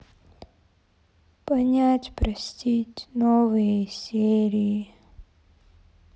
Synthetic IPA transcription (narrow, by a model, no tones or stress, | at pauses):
pɐnʲatʲpɾɐsʲtʲitʲnovɨjəsʲeɾʲiji